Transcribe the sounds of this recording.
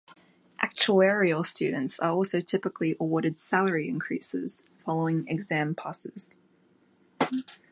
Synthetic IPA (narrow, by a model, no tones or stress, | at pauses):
ʔæ̰k̚t͡ʃuɛːɹiəlˠstʉ̰ːdⁿn̩tsəɔˑlˠsəʊtʰɪpɪkʰliʔəwɔːɾɪd̥salˠəɹiɪ̰̃nkʰɹ̥ḭˑsɪ̰z̥ | fɑlˠəʊɪ̃ŋɪ̰ɡzæ̃mpʰɑsɪz̥